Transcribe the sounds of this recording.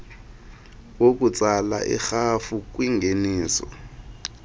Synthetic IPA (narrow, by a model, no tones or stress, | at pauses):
wok̬ʼut͡sʼala̰ʔḭxafuk̬ʼwiŋɡʱeniːsɔ̰